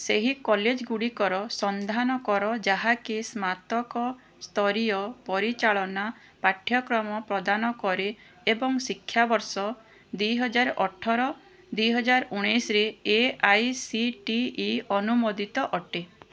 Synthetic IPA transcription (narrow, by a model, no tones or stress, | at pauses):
seɦikɔled͡ʒɡuɽikɔɾɔsɔnd̪ʱanɔkɔɾɔd͡ʒaɦakismat̪ɔkɔ | st̪ʰɔɾijɔpɔɾit͡ʃaɭɔna | paʈʰjɔkɾɔmɔpɾɔd̪anɔkɔɾeː | bɔŋsikʰːjabɔɾsɔ | d̪ujɦɔd͡ʒaɾʔɔʈʰɔɾɔ | d̪ujɦɔd͡ʒaɾuɽ̃isɾeeajsiʈiːɔnumod̪ʱit̪ɔʔɔʈe